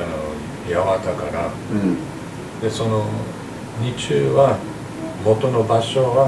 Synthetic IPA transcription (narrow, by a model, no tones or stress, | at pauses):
no | jaβat̪akaɾa | d̪̥e̞so̞no | ɲit͡ɕɨːβa | mo̞t̪o̞nobaɕo̞ɡa